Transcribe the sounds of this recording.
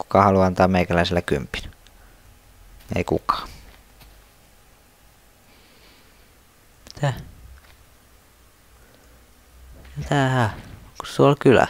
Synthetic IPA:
ku̥kɑhɑluɑnt̪ɑːmeˑikælæˑiselːækympi̥n | ḛikṵkɑ̥ː | mi̥t̪æ | mit̪æhæku̥ssuolkylæ̰

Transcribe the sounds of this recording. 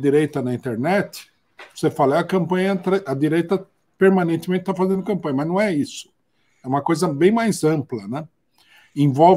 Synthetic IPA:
d̪iɾejt̪ɐnɐĩnt̪eɾnɛt̪ɪ̥ | vosefalɐɛɐkɐ̃mpɐ̃ɲɐt̪ɾɛʔɐd̪iɾejt̪ɐ | peɾmɐ̃nẽt̪ɪmẽnɪt̪afazẽnd̪ʊkɐ̃mpɐ̃ɲɐmɐznɐ̃w̃ɛisʊ̥ | ɛũmɐkojzɐbẽj̃majzɐ̃mplɐnɛ̃ | ẽvɔ

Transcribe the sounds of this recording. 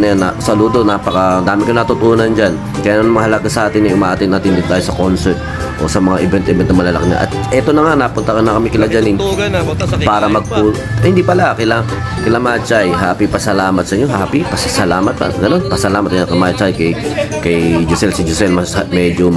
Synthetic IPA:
nɐjanɐsɐluːd̪o̞naːpɐkɐd̪aːmɪkɐjonɐt̪ʊt̪uːnɐnd͡ʒan | kɐjaːnanmɐŋahɐlɐɡasɐʔaːt̪ɪnːɛʔʊŋmaʔat̪ɪnːaːt̪ɪnd̪ɪnt̪aːjosɐkonsɛɹt̪̚ | ʔo̞̰sɐmɐŋaʔɪbɛnʔɛmɛnt̪nɐŋmɐlɐlɐ̰kɪna̰ʔɐ̰t̪̚ʔɛt̪o̞nɐŋanapʊnt̪ɐkanɐkɐmɪkɪlad͡ʒanɪn | paːɾɐmɐɡ̚pu | hɪnd̪ipɐlakɪla | kɪlamaːt͡ʃajɦaːpipɐsɐlaːmɐt̪sɐʔɪɲoɦaːpipɐsɐsɐlaːmɐt̪̚pɐ̰ɡɐno̞npɐsɐlaːmɐt̪̚ankɐmaːt͡ʃajkɐjkɐjd͡ʒʊsɛlsɪd͡ʒʊsɛlmɐshɐmɛːd͡ʒo

